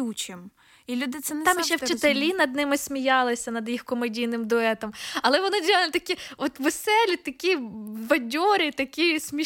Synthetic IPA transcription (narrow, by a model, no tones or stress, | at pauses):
ut͡ʃɪm | ilʲud̪ɪt̪sɛnt̪ɑmʃt͡ʃɛwt͡ʃɪt̪elʲinɐd̪̚nɪmɪsʲmʲijɑlˠɪsʲɐnɐd̪jixkɔmɐdʲijnɪmd̪ʊɛt̪ɔmɐlˠɛʋɔnɪd̪ʲɾʲiɑlˠʲt̪ɐkʲiɔt̪ʋesɛlʲit̪ɐkʲibɐdʲɔɾʲɪt̪ɐkʲisʲmʲi